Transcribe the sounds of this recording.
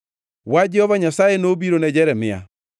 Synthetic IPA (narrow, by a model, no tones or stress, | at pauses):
wad͡ʒɛhɔβaɲasaenobiɾonɛd͡ʒɛɾɛmɪa̰